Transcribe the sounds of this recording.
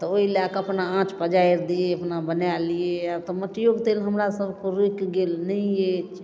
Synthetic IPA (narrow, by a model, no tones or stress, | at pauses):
t̪ɔoilakəpnaãt͡ʃpəd͡ʒaiɾd̪ieəpnabənalijeat̪ɔməʈijoɡt̪elɦəmɾasəbkoɾikɡelnəjet͡ʃ